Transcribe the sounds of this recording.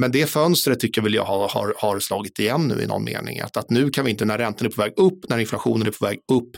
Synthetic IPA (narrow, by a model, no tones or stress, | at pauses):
mɛnd̪ɛfœnst̪ɾət̪ʰːʏkːəvɛljɑ̰hɑhɑ̰ɾhɑɾslɑːɡɪt̪ɪjɛnːʉ̟ːɪ̰nɔ̰nmḛːnɪ̰ŋa̰t̪at̪nʉ̟ːkʰanvɪɪnt̪ənæɾːɛnt̪ənæɾpʰɔvɛːɡɵpːnæɾɪnflaɧuːnənæɾpʰɔvɛːɡɵpː